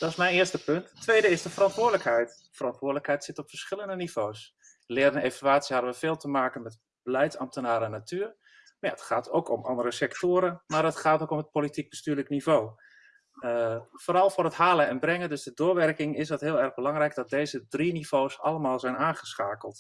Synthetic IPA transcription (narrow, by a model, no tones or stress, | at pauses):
d̥ɔsmɛjnɪːəstəpønttːʋejdəɪsdəfəɾɑntʋʊːdələkɦɛjt | fərɑntʋʊːdələkɦɛjtsɪtɔpfəɹsχɪləndəniv̥oːs | lɪːɾənevalaːtsiɦabəʋəveːlˠtəmaːkənmɛt | b̥əlɛjtsɑ̰mtənaːɾəɛnːatʰyːr | ja̰ətχaːtʰo̰wkʰɔmɑ̰ndəɾəsɛktoːɾəmaːrətχaːtoːkɔmət̚politik̚bəstyːləknivoː | əfoːɾɑlˠfʊːrɦətɦaːləɛnbrɛŋəndøsdədʊːʋɛrkɪŋɪsdɑtɦɪːlˠɛrχbəlɑŋrɛjɡdɔt̚dejzədriniv̥owsɑlˠəmaːlˠzɛjnaːnχəsχaːkəlˠt